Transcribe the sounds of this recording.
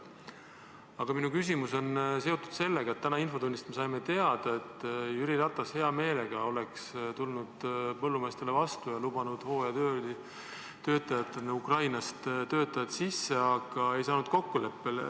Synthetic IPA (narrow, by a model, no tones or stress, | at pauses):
ɑɡ̥ɑminukys̬ʲimuso̞nse̞o̞t̪ːˑu̥d̪se̞lːeɡ̥ɑe̞t̪ːænɑinfo̞d̪unːist̪me̞sɑjme̞t̪e̞ɑd̪̥ɑe̞t̪ːyɾiɾɑt̪ːˑɑshe̞ɑme̞ːle̞ɡ̥ɑo̞le̞kst̪ulnud̪̥pɤ̞lːumeːst̪e̞levɑst̪ujɑlub̥ɑnud̪̥ho̞ːjɑt̪ø | t̪ø̞ːt̪ːˑɑjɑt̪ːˑeneukrɑjnɑst̪t̪øːt̪ːˑɑjɑt̪sisːe̞ɑɡ̥ɑe̞jsɑːnud̪̥̚ko̞kːule̞pːe̞le